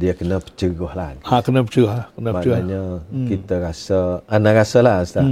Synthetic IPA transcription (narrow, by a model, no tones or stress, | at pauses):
diəkənəpə̥t͡ʃəɡɔhlaakənəpət͡ʃəɡhakənəmaaɲəkit̪əɾasəanaʔɾasəlast̪a